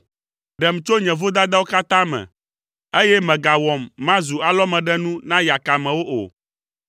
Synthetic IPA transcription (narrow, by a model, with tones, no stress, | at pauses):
ɖɛ˨m˨t͡ʃo˦ɲɛ̃˨vo˦d̪a˦d̪a˦wo˦ka˦t̪ã˦mɛ̰̃˨ | e˦jɛ˦mɛ̃˨ɡa˨wɔ˨mːã˦zu˨a˨lɔ˦mɛ̃˨ɖɛ˦nũ˦nã˦ja˨ka˨mɛ̃˨wo˦ʔo̰˨